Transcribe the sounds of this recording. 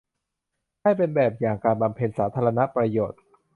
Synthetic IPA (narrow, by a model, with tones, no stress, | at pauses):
kaː˥˩jpe˧nbɛː˨˩p̚jaː˨˩ŋkaː˧nba˧mpʰe˧nsaː˩˦˥t̪ʰaː˧ɾa˧na˦˥pɾa˧joː˨˩t̪̚